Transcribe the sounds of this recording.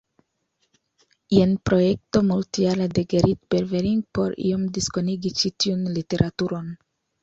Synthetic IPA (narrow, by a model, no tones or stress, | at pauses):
ienpɾojek̚to̞multialedeɡeɾit̪̚b̥eɾveɾiŋɡ̚po̞̰ɾḭomdiskoniɡit͡ʃitiunlite̞ɾʔatuɾo̞n